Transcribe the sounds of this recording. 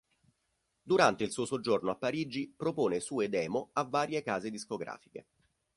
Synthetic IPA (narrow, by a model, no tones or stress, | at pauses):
d̪uɾant̪eilsuːosod͡ʒornoapːaɾiːd͡ʒipɾopoːnesuːed̪ɛːmoavːaːɾjekaːzed̪iskoɡɾa̰ːfi̥kḛ